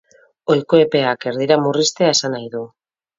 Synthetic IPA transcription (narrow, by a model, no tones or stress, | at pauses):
o̞jkoe̞pe̞ake̞ɾðiɾamurist̪e̞ae̞sanajðu